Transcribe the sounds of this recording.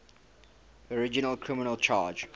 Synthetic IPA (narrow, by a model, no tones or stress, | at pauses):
ɔɹɪd͡ʒɪnəlkʰɹɪmɪnəlt͡ʃʰa̰ːd͡ʒ